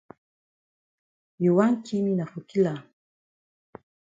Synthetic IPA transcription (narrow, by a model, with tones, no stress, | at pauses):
ju˨wa˦nt͡ʃi˦mina˨fu˨ki˦la˨